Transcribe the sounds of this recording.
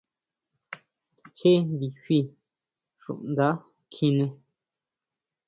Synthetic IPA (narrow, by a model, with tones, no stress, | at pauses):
he˦nbi˨hi˦˧˨ | ʃṵ̃˨ʔnd̪a˨˦ | kʰĩ˧nẽ˧